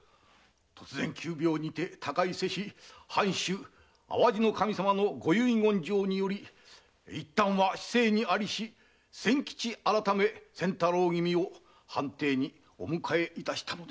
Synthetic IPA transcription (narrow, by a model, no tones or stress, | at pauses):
t̪ʰo̞t͡sɨzẽ̞ŋkʲʰɨːbʲjo̞ːɲ̟it̪e̞t̪ʰakaise̞ɕihãɰ̃ɕɨː | a̰βaʑino̞kamʲisamano̞ɡo̞jɯĩɡõ̞ɲ̟d͡ʑo̞ːɲ̟ijo̞ɾʲi | it̪ːãɰ̃βaɕi̥se̞ːɲ̟iaɾʲiɕi | sẽ̞ŋkʲi̥t͡ɕiaɾat̪ame̞sẽ̞nt̪aɾoːɡʲimʲio̞ | hãnt̪e̞ːɲ̟i | o̰mɯ̟kʰae̞it̪aɕi̥t̪ano̞d̪e